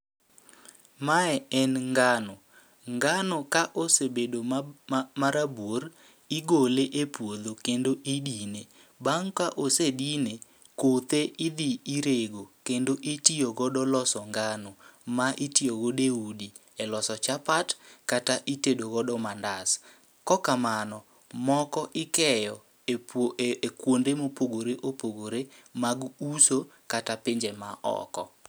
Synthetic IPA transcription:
maɛɛnŋɡanɔ | ŋɡanɔkaʔosebedo | maɾabor | ɪɡoleʔepwod̪okendoʔidine | baŋkaʔosedine | kot̪eʔɪd̪iiɾeɡokendoʔitioɡɔɗɔlɔsɔŋɡanɔmaʔitioɡodeudi | ɛlɔsɔt͡ʃapatkataʔitedoɡɔdɔmandas | kɔkamanɔ | mɔkɔʔɪkɛjɔ | kwondemopoɡoɾeʔopoɡoɾemaɡuso | katapɪɲd͡ʒemaʔɔ̰kɔ̰

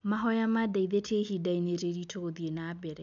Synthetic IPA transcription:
maɦɔjamadaiðetʰehidaineɾeɾitʰoðienabɛɾɛ

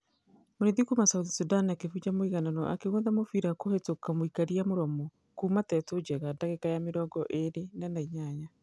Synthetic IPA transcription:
moɾiðikumasautisudaniakefud͡ʒamoiɣananɔ̰ʔa̰keɣoðamofiɾakohetokamoikaɾiamoɾɔmɔ | kuːmatɛtod͡ʒɛɣadaɣekajameɾɔːɡɔʔeɾenanaiɲaɲa

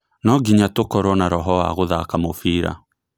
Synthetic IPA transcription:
nɔɡiɲatokɔɾwɔnaɾɔɦɔaɣoðakamofiːɾa̰

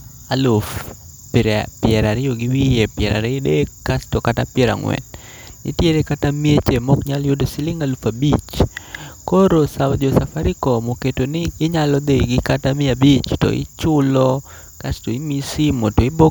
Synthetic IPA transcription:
alʊf | piɾepɪɛɾaɾɪjoɡiwijepjɛɾa̰ɾeɪdekːastokatapjɛɾa̰ŋwɛ̰n | ɪ̰tjeɾekatamiet͡ʃemɔkɲaljodosilɪŋalufabit͡ʃ | koɾosawd͡ʒosafaɾikɔmoketonɪːɲalɔd̪eiɡɪkatamɪabit͡ʃtɔ̰ḭt͡ʃʊlɔ | kastoimisimotoibo

